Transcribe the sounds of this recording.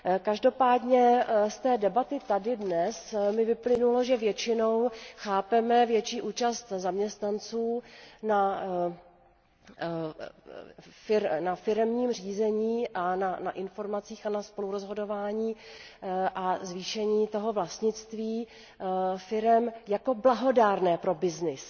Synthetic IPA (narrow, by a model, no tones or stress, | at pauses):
kaʒdo̞paːdɲɛst̪ɛːdɛbat̪ɪt̪adɪdnɛsmɪvɪplɪnuloʒɛvjɛt͡ʃɪno̞wxaːpɛmɛvjɛt͡ʃiːʔuːt͡ʃast̪zamɲɛst̪nant͡suːna | fɪɾnafɪɾɛmɲiːmr̝iːzɛɲiːʔananaʔɪnfo̞ɾmat͡siːxanaspo̞luɾozɦo̞do̞vaːɲiː | ʔazviːʃɛɲiːt̪o̞ɦo̞vlast̪ɲɪt͡st̪viː | fɪɾɛmjako̞blaɦo̞daːɾnɛːpɾo̞bɪznɪs